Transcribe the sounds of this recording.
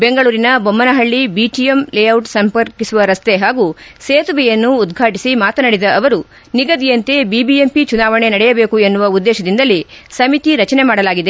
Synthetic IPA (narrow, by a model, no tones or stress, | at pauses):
be̞ŋɡɐɭuːɾinɐbomːɐnɐɦɐɭːibiːʈijemlejɐwʈsɐmpɐɾkisuʋɐɾɐst̪e̞ɦaːɡuseːt̪uʋɛjɐnːuːd̪ɡʱaːʈisimaːt̪ɐnɐɽid̪ɐʔɐʋɐɾu | niɡɐd̪ijɐnt̪e̞bibiempit͡ʃunaːʋɐɳe̞nɐɽɛjɐbe̞ːkue̞nːuʋɐud̪ːɛːʃɐd̪ind̪ɐlːisɐmit̪iɾɐt͡ʃɐne̞maːɽɐlaːɡid̪e